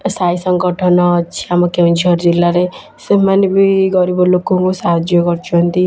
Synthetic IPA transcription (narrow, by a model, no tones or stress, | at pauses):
sajsʌŋɡɔʈʰɔnɔt͡ʃʰiamɔkeũnt͡ʃʰiʌɾd͡ʒilːaɾe | semanibiɡʌɾibɔlokokusaɦd͡ʒjɔɡɔɾt͡ʃʰuɦʌnt̪i